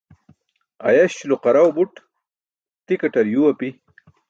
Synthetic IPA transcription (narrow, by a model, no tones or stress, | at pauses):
ɐ̰jɐɕluqɐɾɐwbuʈ | t̪ikɐʈɐɾjuwɐpi